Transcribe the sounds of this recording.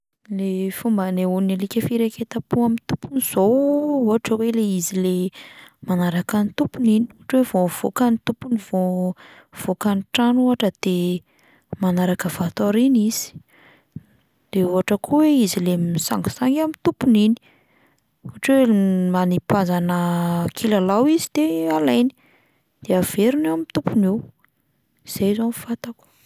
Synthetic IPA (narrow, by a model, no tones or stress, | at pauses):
lefumbəneunalikʲəfiɾeket̪apuamint̪upuniz̥ouɦaʈ͡ʂəweleizilemanaɾakanit̪upuniniuaʈ͡ʂwevov̥o̰kanit̪upunivo | v̥okaniʈ͡ʂanuɦaʈ͡ʂəd̪̥e | manaɾakəvat̪oɾiniz̥i̥ | d̪̥euɦaʈ͡ʂəkʰuweizilemisa̰ŋɡḁsaŋɡamint̪upunini̥ | uaʈ͡ʂwemanipazanəkʰilalawizid̪̥ealajni̥ | d̪̥eav̥eɾunewamint̪upunew | iz̥ejzomfat̪aku̥